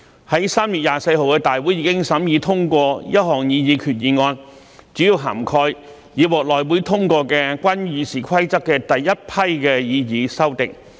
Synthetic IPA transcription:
hɐ˨˥jsaː˥mjyː˨t̚jaː˨se˧jɦo˨wkɛː˧t̪aː˨jwu˨˥jːiː˨˧kɪ˥ŋsɐ˨˥mjiː˨˧t̪ʰʊ˥ŋkʷɔː˧jɐ˥t̚ɦɔː˨˩ŋjiː˨˧jiː˨˧kʰyː˨t̚jiː˨˧ŋɔː˧n | t͡syː˨˥jiː˧wɦa̰ː˨˩mkʰɔː˧j | jiː˨wɔː˨k̚lɔː˨jwuː˨˥jt̪ʰʊ˥ŋkʷɔː˧kɛː˧kʷwʷɐ˥njyː˨˧siː˨˩kʰɐ˥jt͡sɐ˥kːɛː˧t̪ɐ˨jːɐ˥t̚pʰɐ˥jkɛː˧jiː˨˧jiː˨˧sɐ˥wt̪ɪ˨k̚

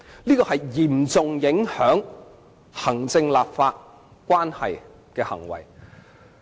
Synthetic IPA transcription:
liː˥kɔː˧hɐ˨jjiː˨˩mt͡sʊ˨ŋjɪ˨˥ŋhœː˨˥ŋ | hɐ˨˩ŋt͡sɪ˧ŋlaː˨p̚faː˧t̚ | kʷaː˥nhɐ˨j | kɛː˧hɐ̰˨˩ŋwɐ̰˨˩j

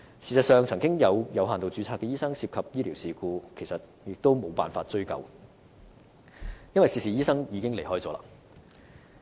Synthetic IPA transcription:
siː˨˩sɐ˨t̚sœː˨ŋt͡sʰɐ˨˩ŋkɪ˥ŋjɐ˨˧wjɐ˨˧wɦaː˨˩nt̪o˨wt͡sy˨˧t͡sʰaː˧kːɛː˧jiː˥sɐ˥ŋsiː˧p̚kʰɐ˨p̚jiː˥liː˨˩wsiː˨kuː˧kʰe˨˩jsɐ˨t̚ | jɪ˨k̚t̪o˥wmo˨˧wpaː˨nfaː˧t̚t͡ʃɵ˥ɥkɐ̰˨w | jɐ˥nwɐ˨jsiː˨˩siː˨˩jiː˥sɐ˥ŋjiː˨˧kɪ˥ŋle˨˩jɦɔː˥jt͡sɔː˨˧la̰˧˥

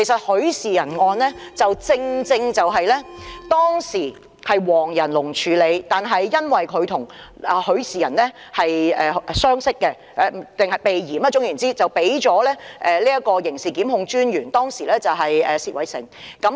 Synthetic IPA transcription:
kʰe˨˩sɐ˨t̚hɵ˨˧˥ɥsiː˨jɐ˨˩nŋɔː˧nlɛː˥t͡sɐ˨wt͡sɪ˧ŋt͡sɪ˧ŋt͡sɐ˨wɦɐ˨jlɛː˥t̪ɔː˥ŋsiː˨˩ | hɐ˨jwɔː˨˩ŋjɐ˨˩nlʊ˨˩ŋt͡ʃʰyː˨˧le˨˧jt̪aː˨nɦɐ˨jːɐ˥nwɐ˨jkʰɵ˨˧t̪ʰʊ˨˩ŋ | ɛ˨˧hɵ˨˥ɥsiː˨jɐ˨˩nlɛː˥ | hɐ˨jɛː˨˧sœː˥ŋsɪ˥kːɛ˧ | ɛ˨˧˨t̪ɪ˨ŋhɐ˨˩jpe˨jjiː˨˩mɐː˥t͡sʊ˥ŋjyː˨˩nt͡siː˥t͡sɐ˨wpe˨˥jt͡ʃɔː˨˥lɛː˥ʔɛː˨liː˥jɐ˥kɔː˧jɪ˨˩ŋsiː˨kiː˨˥mhʊ˧ŋt͡ʃyː˥njyː˨˩nt̪ɔː˥ŋsiː˨˩lɛː˥t͡sɐ˨wɦɐ˨jʔɛː˨siː˨t̚wɐ˨jsɪ̰˨˩ŋkɐ˨˥m

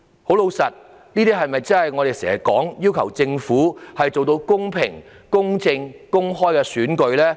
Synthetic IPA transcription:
ho˨˥wlo˨˧wsɐ˨t̚ | niː˥t̪iː˥ɦɐ˨jmɐ˨jt͡sɐ˥nhɐ˨jŋɔː˨˧ɾe˨jsɛ̰ː˨˩ɐ˨˩kɔ̰ː˨˥ŋjiː˥wkʰɐ˨˩wt͡sɪ˧ŋfuː˨˥hɐ˨jt͡so˨wt̪o˧wkʊ˥ŋpʰɪ̰˨˩ŋ | kʊ˥ŋt͡sɪ˧ŋkʊ˥ŋɦɔː˥jkɛː˧syː˨˥nkɵ˧ɥlɛː˥

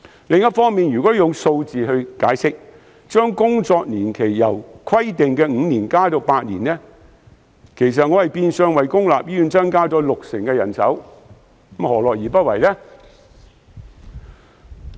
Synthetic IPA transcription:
lɪ˨˧ŋjɐ˥t̚fɔː˥ŋmiː˨njyː˨˩kɔː˨˥jʊ˨ŋso˧wt͡siː˨ɦɵ˧ɥkaː˨˥jsɪ˥k̚ | t͡ʃœː˥ŋkʊ˥ŋt͡sɔː˧k̚niː˨˩nkʰe˨˩jːɐ˨˩wkʰɐ˥jt̪ɪ˨ŋkɛː˧ŋ̩ː˨˧niː˨˩nkaː˥t̪o˧wpaː˧t̚niː˨˩nlɛː˥ | kʰe˨˩js̬ɐ˨t̚ŋɔ˨˧hɐ˨jpiː˧nsœː˨˧ŋwɐ˨jkʊ˥ŋla̰ː˨p̚jiː˥yː˨˧˥nt͡sɐ˥nkaː˥t͡sɔː˨˥lʊ˨k̚sɪ˨˩ŋkɛː˧jɐ̰˨˩nsɐ̰˨˥w̩˨˥ | hɔː˨˩lɔː˨jiː˨pɐ˥t̚wɐ˨jlɛ˥

